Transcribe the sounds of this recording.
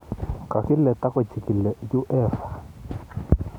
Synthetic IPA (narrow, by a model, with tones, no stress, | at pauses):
ka˨ki˦lɛ˨t̪a˦kwɛ˦˨t͡ʃi˨ki˨lɛ˨ju˦ʔɛː˦˨fa˨